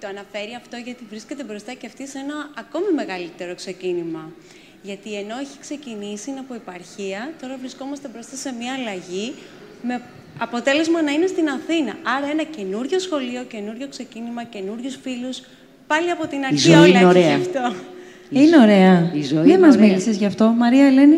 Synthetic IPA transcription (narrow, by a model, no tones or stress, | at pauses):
t̪o̞ɐnɐfe̞ɾiɐft̪o̞ʝɐt̪ivɾiscet̪̬e̞bɾo̞st̪ɐceɐft̪ise̞nɐːko̞mime̞ɣɐlit̪e̞ɾo̞kse̞cinimɐ | ʝɐt̪ie̞no̞eçi̥kse̞cinisinɐpoipɐɾçiɐt̪o̞ɾɐvɾisko̞mɐst̪e̞bɾo̞st̪ɐse̞mɲɐːlɐʝi | me̞ | ɐpo̞t̪e̞le̞zmɐnɐine̞st̪inɐθinɐɐɾɐe̞nɐce̞nuɾʝo̞sxo̞lio̞ce̞nuɾʝo̞kse̞cinimɐce̞nuɾʝusfilus | pɐliɐpo̞t̪inɐɾiçziɐolnoɾeɐɐft̪o | ineo̞ɾe̞ɐizoiemɐzmilisezʝɐft̪o̞mɐɾiɐele̞ni